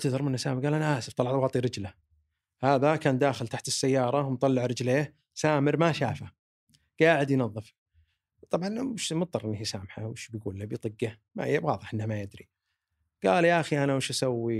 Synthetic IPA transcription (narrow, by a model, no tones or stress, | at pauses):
t̪aðˤɑɾˤmɪnːasaːmɾɡaːlʔanaʔaːsɪft̪ˤɑlːɑʕwɑːt̪ˤiɾɪd͡ʒla | haːðakaːnd̪aːxɪlt̪aħt̪ɪsːajːɑːɾˤɑwmt̪ˤɑlːɪʕɾɪd͡ʒleːh | saːmɪɾmaʃaːfa | ɡ̥aːʕɪd̪jnɑðˤːɨf | wt̪ˤɑbʕɑnɪʃmʊt̪̚ˤːɑrˤʔɪnːahjsaːmħa̰wɪʃbjɡuːlːabjt̪ˤɨɡːa | ma̰hɪjːawɑːðˤɨħʔɪnːhamajɪd̪ɾi | ɡ̥aːljaʔaxiʔanawɪʃʔasawːi